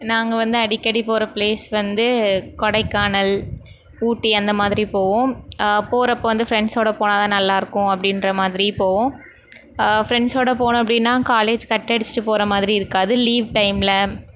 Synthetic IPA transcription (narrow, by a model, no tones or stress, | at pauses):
naːŋɡɐʋɐnd̪ɯɐɽɪkːɐɽipoːɾɐpleːsʋɐnd̪ɯkɔɽɐɪkːaːɳɐl | uːʈːiɐnd̪ɐmaːðɪɾipoːʋõːpoːɾɐpːoːʋɐnd̪ɯfɾɛɳɖsoːɽɐpoːnaːðãːnɐlːaːɪɾɯkːʊ̃ɐpːɐɽɪnɾɐmaːðɪɾipoːʋõː | fɪɾɛɳɖsoːɽɐpoːɳʊ̃ɐpːɐɽɪnːãːkaːleːd͡ʒkɐʈːɛɽɪt͡ʃːɯ̥ʈːɯpoːɾɐmaːðɪɾiɪɾɯkːaːðɯliːʋʈɐɪmlɐ